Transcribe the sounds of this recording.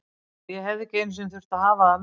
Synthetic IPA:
jɛɦɛvðɪcɪejnsʏnθʏr̥t̪aðɦaːvam

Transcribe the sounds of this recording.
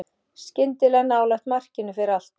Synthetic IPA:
scɪnt̪ɪlɛɣnaːwlaxt̪mar̥cɪnʏfɪɾɪɾal̥t̪

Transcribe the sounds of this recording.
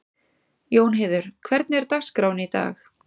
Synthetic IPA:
joːwnɦeːðʏɾ̥kʰvɛɾt̪̚nɛɾ̥t̪axskɾaːwnɪit̪a̰ːx

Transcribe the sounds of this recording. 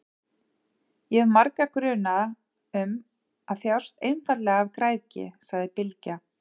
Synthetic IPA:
jɛvmaɾkakɾʏːnað | ʏm | aðθjaw̥st̪ejnfat̪lɛɣaavkɾaːjðcɪ̰saɣðɪpɪlca

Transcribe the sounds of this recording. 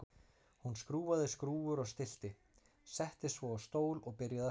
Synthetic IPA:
hunskɾuːvaðɪskɾuːvʏɾɔɣst̪ɪl̥t̪ɪ | sɛht̪ɪsvɔast̪oːwlɔɣpɪɾjaða

